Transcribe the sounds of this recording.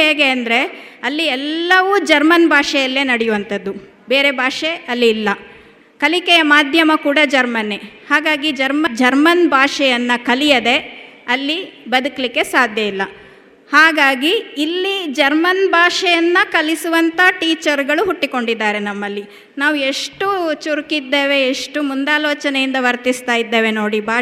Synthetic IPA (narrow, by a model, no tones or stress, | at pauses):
ɦeːɡe̞ɐnd̪ɐɾe̞ | ɐlːiɛlːɐʋud͡ʒɐɾmɐnbʱaːʂɛjɐlːe̞ːnɐɽɛjuʋɐnt̪ɐd̪ːu | be̞ːɾebʱaːʂeɐlːiːlːɐ | kɐlikɛjɐmaːd̪ʱjɐmɐkuːɽɐd͡ʒɐɾmɐne̞haːɡaːɡid͡ʒɐɾmɐd͡ʒɐɾmɐnbʱaːʂɛjɐnːɐkɐlijɐd̪e̞ɐlːibɐd̪ukɐlikːe̞saːd̪ʱjɐilːɐ | haːɡaːɡiːlːid͡ʒɐɾmɐnbʱaːʂɛjɐnːɐkɐlisuʋɐnt̪ɐʈiːt͡ʃɐɾɡɐɭuɦuʈːiko̞ɳɖid̪ːaːɾe̞nɐmːɐlːi | naːʋue̞ʂʈut͡ʃuɾukid̪ːe̞ːʋe̞ːʂʈumund̪aːloːt͡ʃɐnejind̪ɐʋɐɾt̪ist̪aːjid̪ːe̞ːʋe̞no̞ːɽibʱaː